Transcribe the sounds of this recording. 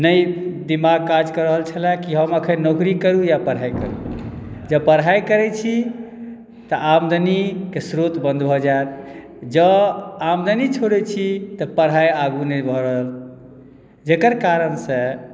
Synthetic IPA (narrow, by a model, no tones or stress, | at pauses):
nəjd̪imaɡ̚kad͡ʒkəɾəɦəlt͡ʃʰəlakiɦəməkʰənnokɾikəɾujapəɽ̤ɦajkə̰ɾṵ | d͡ʒəbpəɾɦajkəɾɛt͡ʃʰi | t̪ɔʔamd̪ʱənikesɾot̪bə̃nd̪bʱɔd͡ʒaet̪ | d͡ʒəamd̪ʱənit͡ʃʰoɽɛt͡ʃʰit̪ɔpəɽajaɡunəbʱɔɾəɦəl | d͡ʒekəɾkaɾənsə̃